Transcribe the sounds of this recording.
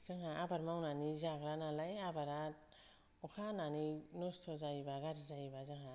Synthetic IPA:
z̥ɯŋɦaʔabaɾmawnanizaɡɾanalajabaɾa | ukʰananinostʰɔzajbaɡaɾzajbazɯŋɦa

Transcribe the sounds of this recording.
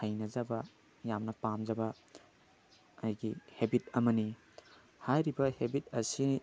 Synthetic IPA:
hɐjnɐzɐbɐ | jamnɐpamd͡ʒɐbɐ | jɡihebitɐmɐni | hajɾibɐhebit̚ɐsi

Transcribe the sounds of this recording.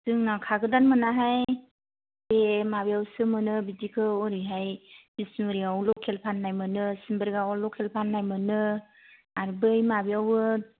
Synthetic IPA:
sɯŋnakʰaɡɯdanmɯnaɦaj | bemabijawsɯmɯnɯbidikʰɯɔɾiɦajb̥isnɯɾiɡawlɔkʰelpʰanːajmɯnɯsinbɯɾɡaɔlɔkʰelpʰanːajmɯnɯ | aɾbɯjmabijawɯ

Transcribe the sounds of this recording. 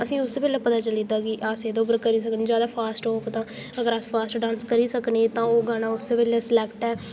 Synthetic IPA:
əsĩːʊsːeːpɛːljaːpət̪aːt͡ʃəliːd̪aːɡiːʔaːseːd̪oʊbəɾkəɾiːs̬əkneːd͡ʒjaːd̪aːpʰaːsʈoːkt̪ãːəɡəɾaːspʰaːsʈɖãːnskəɾiːsəkneːt̪ãːoːɡaːnaːʊsːeːpɛːlaːslɛkʈɛː

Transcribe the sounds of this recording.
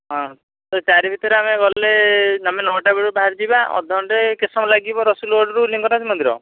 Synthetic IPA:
ɦɔ̃ | t̪ɔt͡ʃaɾibʱit̪ɔɾeameɡɔlleamenɔʈabeɽubaɦaɾd͡ʒibaɔ̰d̪ʱɔɳʈekesɔmalaɡibɔɾɔsulɔɖɔɾuliŋɡɔnasimɔnd̪ʱiɾɔ̰

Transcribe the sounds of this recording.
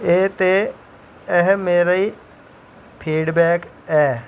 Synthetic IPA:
eːt̪e | ɛɦmeːɾai | pʰiːɖbɛːk | ɛː

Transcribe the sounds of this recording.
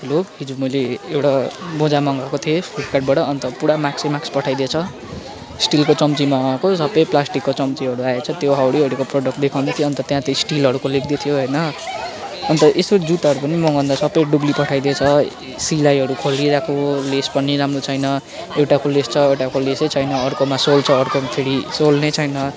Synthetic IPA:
lobɦid͡zumʌjleewʈabõd͡zamʌŋɡakot̪ʰiepiʈkaʈ̚baʈʌːnt̪ʌpuɽamaksimakspʌʈʰajd̪et͡sʰʌ | sʈilkot͡sʌmt͡simaŋakosʌbʌjplasʈikːot͡sʌmt͡siʌɾuaet͡sʰʌt̪joɦawɽiʌɽikoproɖʌk̚ʈ̚d̪ekʰawnet̪ʰiʌnt̪ʌt̪jãt̪isʈilɦʌɾukolep̚d̪it̪ʰijoɦʌjnʌ | ʌnt̪ʌʔest̪od͡zuʈʌɾupʌnimʌɡʱʌnd̪asʌbʌjɖublipʌʈʰajd̪et͡sʰʌ | silajɦʌɾukʰoliɾakʰolespʌniɾamrot͡sʰʌjnʌ | ewʈakʰolest͡sʰʌewʈakoleset͡sʰʌjnʌʌrkomasolt͡sʰʌːrkopʰeɽisolnet͡sʰʌjnʌ

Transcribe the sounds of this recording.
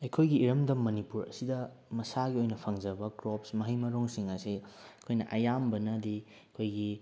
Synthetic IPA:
ɐjkʰojɡiːɾɐmdɐmːɐnipuɾɐ̰sidɐ | mɐsaɡiojnɐpʰɐŋd͡ʒɐbɐkɾopsmɐɦɐjmɐɾoŋsiŋɐsiɐkʰojnɐ̰ʔɐjambɐnɐdi | kʰojɡi

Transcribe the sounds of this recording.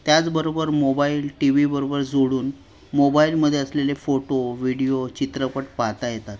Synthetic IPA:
t̪jat͡sbəɾobəɾmobailʈiʋibəɾobəɾd͡zoɽuːn | mobailməd̪ʱːjeəslelefoʈoʋiɽiot͡ɕit̪ɾəpəʈ̚paɦt̪ajet̪at̪

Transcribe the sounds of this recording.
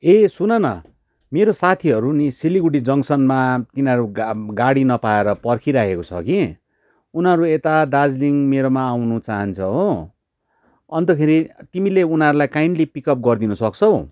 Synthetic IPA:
esunʌnʌ̰ | meɾosat̪ʰiɦʌɾunisiliɡuɽid͡zʌŋsʌnmat̪inʌɾuɡaɽinʌpaeɾʌpʌrkʰiɾakʰekot͡sʰʌ̰ki | unʌɾuet̪ad̪ad͡zliŋmeɾomaːwnut͡saɦʌnt͡sʰʌɦo | ʌnt̪ʌkʰeɾit̪imileunaʌɾulajkajɳɖlipikʌp̚ɡʌrd̪inʌsʌkt͡sʰʌw

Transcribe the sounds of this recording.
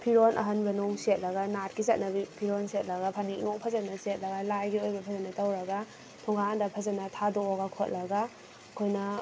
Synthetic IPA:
pʰiɾonʔɐ̰ɦɐnbɐnowset̚lɐɡanat̚kizɐt̚nɐbipʰiɾonset̚lɐɡapʰaniknok̚pʰɐzɐnɐset̚lɐɡalajɡiojbɐpʰɐzɐnɐtawɾɐɡa | tʰɔŋɡadɐpʰɐzɐnɐtʰadoːɡakʰot̚lɐɡa | kʰojnɐ

